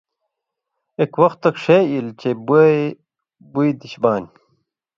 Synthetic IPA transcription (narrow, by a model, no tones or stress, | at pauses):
ekwɐxt̪ːɐkʂeilt͡ɕebue | buid̪iɕbaːn